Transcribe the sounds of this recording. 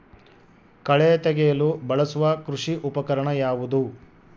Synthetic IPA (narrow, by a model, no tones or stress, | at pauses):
kɐɭet̪ɛɡɛjɐlubɐɭɐsuʋɐkɾuʂiʔupɐkɐɾɐɳɐjaːʋud̪u